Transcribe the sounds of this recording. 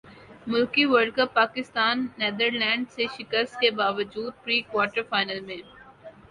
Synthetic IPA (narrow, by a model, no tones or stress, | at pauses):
mʊlkiʋəɾkəppːaːkɪst̪aːnːeːd̪əɾlɛ̃ːɳɖseʃɪkəst̪̚kebaːʋəd͡ʒuːd̪̚pɾiːkwaːʈəɾfaːɪnəlmẽː